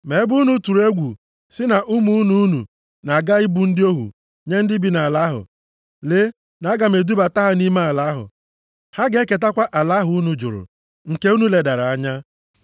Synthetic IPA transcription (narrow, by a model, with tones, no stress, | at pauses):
me˨˦bu˦nu˦tu˨ɾe˦ɡʷu˨ | sɪ˦na˨ʔʊ˦mu˦u˦nu˨u˦nṵ˨ | na˨ɡa˦ɪ˦bu˨n̩˦dɪ˦o˦ɦṵ˨ | ɲe˦n̩˦dɪ˦bi˨na˨la˦ɦʊ̰˨ | le˦ | na˨a˦ɡa˨me˨du˦ba˨ta˦ɦa˦ni˦ma˦a˨la˨˦ɦʊ̰˨ | ha˦ɡe˦ke˨t̬a˦kʷa˦ʔa˨la˦ɦʊ˨u˦nu˨d͡ʒʊ̰˨ɾʊ̰˨ | ŋ̩˨ke˦u˦nu˨le˨da˨ɾa˨a˦ɲa˦